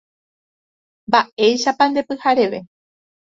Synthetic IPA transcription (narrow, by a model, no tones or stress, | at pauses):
mbaʔe̞jʃapãnd̪e̞pɨhaɾe̞ʋe̞